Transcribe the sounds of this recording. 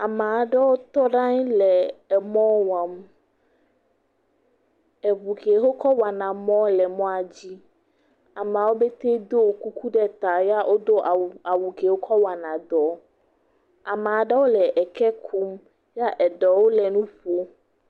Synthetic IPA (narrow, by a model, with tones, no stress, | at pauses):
a˨mã˨a˨ɖɛ˦wo˦t̪ɔ˦ɖã˦ɲlɛ˨ɛ˨mɔ̃˦wã˨m | ɛ˨βu˨ke˨ɦo˦kɔ˦wa˨nã˨mɔ̃˦lɛ˨mɔ̃˦a˨d͡ʑi˦ | a˨m˨a˨wo˦be˦t̪e˦d̪o˦wo˨ku˦ku˦ɖɛ˦t̪a˨ja˦ʔo˦d̪o˦ʔa˨a˨wu˨ke˨wo˦kʰɔ˦wa˨nã˨d̪ɔ˨ | a˨mã˨a˨ɖɛ˦wo˦lɛ˨ʔɛ˨kɛ˦kʰu˦m | ja˦ʔɛ˨ɖɔ˨wo˦lɛ˨nũ˦ɸo˦